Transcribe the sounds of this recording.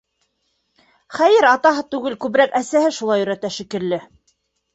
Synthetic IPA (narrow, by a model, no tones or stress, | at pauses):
χæjɘɾɑt̪ɑɦɤt̪ʉɡɘlkʉβɾækæsæhɘʃulˠɑjɵ̆ɾæt̪æʃĭkɘ̆ɾlɘ